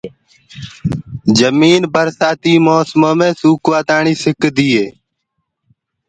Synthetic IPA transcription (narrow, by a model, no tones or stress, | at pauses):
d͡ʒəmiːnbʱəɾsaːt̪iːmoːsmõːmẽːsuːkʋaːt̪ãːɳiːsɪkd̪iːeː